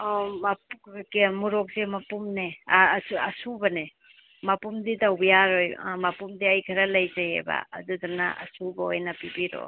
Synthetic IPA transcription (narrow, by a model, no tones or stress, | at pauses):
mapukkemuɾɔk̚semɐpumnesɐsubɐne | mɐpumdidawbɐjaɾojmɐpumdiajkʰɐɾɐlɐjzajḛba̰ɐ̰dudanɐ̰ʔɐ̰subɐojnɐpibiɾo̰